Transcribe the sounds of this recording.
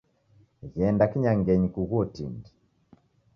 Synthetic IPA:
ɣɛndakiɲaŋɡɛɲikuɣuɔtḭndi

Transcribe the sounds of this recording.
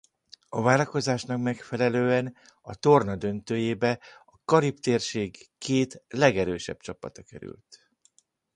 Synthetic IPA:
ɒvaːlɒko̞zaːʃnɒkmɛkfɛlɛløːɛn | ɒt̪o̞rnɒd̪ø̞nt̪øːjeːbɛɒkɒɾipt̪eːrʃeːɡːeːt̪lɛɡɛɾøːʃɛ̰b̚t͡ʃɒpːɒt̪ɒkɛ̰ɾy̰lt̪

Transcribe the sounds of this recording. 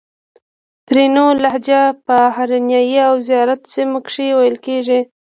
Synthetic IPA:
t̪ɾenolahd͡ʒapəhaɾinjɑjiawzijɑɾat̪seməkʂewajəlkeʐi

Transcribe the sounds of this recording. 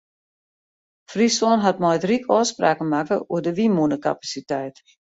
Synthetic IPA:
frisɔnɦat̚mɔjtrikʰɔːspraːkənmakəṵədəʋimunəka̰pasitɛjt

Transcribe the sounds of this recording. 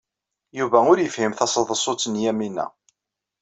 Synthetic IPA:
juvæʊɾjəfhimθɑsˤəðˤəsˤot͡sːənjæminːæ̰

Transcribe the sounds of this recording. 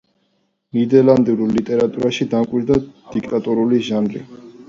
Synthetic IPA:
nid̪ɛland̪iɾulit̪ʼɛɾat̪ʼuɾaʃid̪amkʼwiɾd̪ad̪̥ikʼt̪ʼat̪ʼuɾuliʒanlḭ

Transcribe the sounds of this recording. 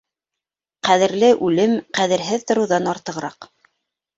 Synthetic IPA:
qæðɘ̆ɾlɘʔʉlɘmqæðɘ̆ɾɦɘðt̪ŏɾɤ̆wðɑnɑɾt̪ɤ̆ʁɾɑq

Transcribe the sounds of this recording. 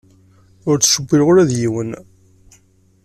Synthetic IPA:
ʊɾt͡sːʃəbːiɾʁoɾæðjiwən

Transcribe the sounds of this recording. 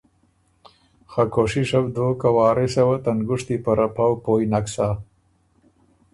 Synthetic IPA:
xakoʂiʂɐbd̪okawɑːɾesewat̪anɡʊʂt̪ipɐɾapawpoːjinaksa

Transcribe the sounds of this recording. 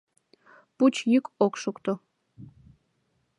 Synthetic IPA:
put͡ɕjikokʃukt̪o

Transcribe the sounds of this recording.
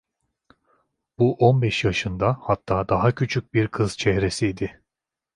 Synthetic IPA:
b̥uʔonbɛʃjaʃɯnd̪ahat̪ʰːaːd̪aɦacʰyt͡ʃʰyc̚ʲbiɾkʰɯz̥t͡ʃʰɛhɾesijd̪ɪ

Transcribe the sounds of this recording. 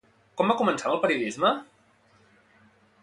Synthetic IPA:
kɔmbakumənsanəlˠpəɾiuðizmə

